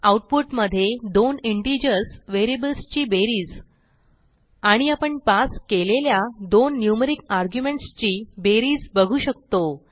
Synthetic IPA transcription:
auʈ̚puʈməd̪ʱːjed̪oniɳʈid͡ʑəɾsʋeɾibəlst͡ɕiːbeɾiːd͡z | aɽ̃iapəɳpaskeleljad̪onːjuməɾikaɾɡjumẽɳʈst͡ɕiːbeɾiːd͡zbəɡʱuːɕək̚t̪o

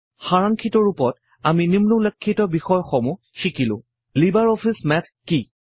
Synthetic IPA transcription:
xaɹaŋkʰitɔɹupɔt | aminimlulekʰːitɔbixɔjxɔmu | xikilʊ̰̃ | libaɹɔpʰismɛtʰki

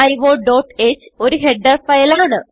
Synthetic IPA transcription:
ɐjʋoːɖoːʈːe̞ːt͡ɕːɨ̥o̞ɾuɦeɖːɐrfɐjɐlaːɳɨ

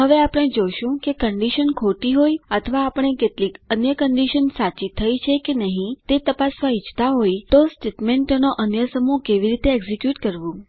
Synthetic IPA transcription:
ɦəʋeapəɽ̃ed͡ʒoʃũkekəɳɖiʃənkʰoʈiɦojət̪ʰəʋaːpəɳ̃ekeʈlikənjəkəɳɖiʃənsat͡ʃit̪ʰːəjt͡ʃʰekenəɦĩt̪et̪əpasʋait͡ʃʰt̪aɦojt̪osʈeʈmẽɳʈnoʔənjəsəmukeʋiɾit̪eɛɡzikjuʈkəɾʋũ

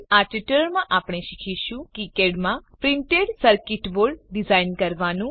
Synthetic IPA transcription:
aʈiʈəlɾmãʔaːpɽ̃eʃikʰiʃũkikeɖmãpɾɪ̃ɳʈeɖsəɾkɪʈʋoɾɖɖizainkəɾʋanũ

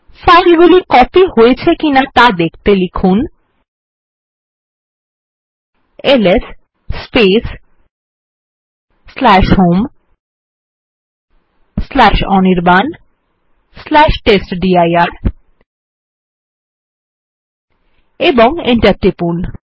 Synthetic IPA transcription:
fajlɡulikɔpihojet͡ɕʰekinat̪ad̪ekʰt̪elikʰun | eles | sːpes | slɛʃɦom | slɛʃɔ̰niɾban | slɛʃʈesʈɖiajaɾ | eboŋḭɳʈaɾʈɾipun

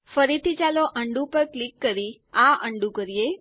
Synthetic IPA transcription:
fəɾit̪ʰit͡ʃaloʔəɳɖũpəɾklikːəɾi | aʔəɳɖũkəɾije

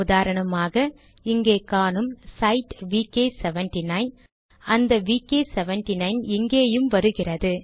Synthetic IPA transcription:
ʊðaːɾɐɳɐmaːɣɐ | ɪŋɡeːkːaːnɯmsɐɪʈʋiːkeːsɛʋɛɳʈinɐɪn | ɐnd̪ɐʋiːkeːsɛʋɛɳʈinɐɪnɪŋɡeːjɯmʋɐɾɯɣɪrɐðɯ

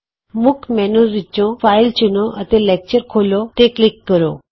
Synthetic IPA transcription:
mukʰmɛnuɾʋit͡ɕːõfailt͡ɕinoʔət̪elek̚t͡ɕəɾkʰolot̪eklikːəɾo

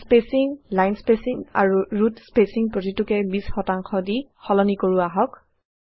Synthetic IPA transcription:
spesiŋlajnspesiŋa̰ɹuɹutspesiŋpɹotitʊkɛbisxɔtaŋxɔdixɔlɔnikoɹuaɦɔk

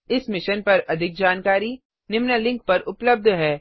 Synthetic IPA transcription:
ɪsmɪʃənpɐɾɐd̪ʱɪk̚d͡ʒaːnkaːɾi | nɪmnəlɪ̃ŋk̚pɐɾʊpləb̚d̪ʱɦɛː

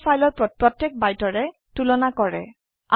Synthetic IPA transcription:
fʰajlɔɹpɹɔpɹɔtjɛk̚bajtɔɹɛ | tulɔnakɔɹɛ̰ | a

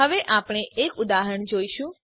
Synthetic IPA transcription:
əʋeʔapɳ̃eʔekud̪aɦəəɳd͡ʒoiʃũ

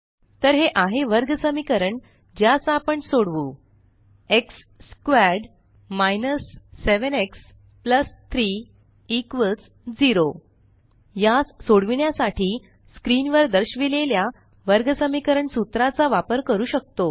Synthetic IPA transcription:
t̪əɾɦeʔaɦeʋəɾɡəsəmikəɾəɳ | d͡ʑjasapəɳsoɽʋu | eksː | kʋæɖ | majnəsːeʋəneks | pləst̪ʰɾi | ikʋəlt͡s | d͡ziɾo | jassoɽʋiɳjasaʈʰiː | skɾinʋəɾd̪əɾɕʋilelja | ʋəɾɡəsəmikəɾəɳsut̪ɾat͡saʋapəɾkəɾuːɕək̚t̪o

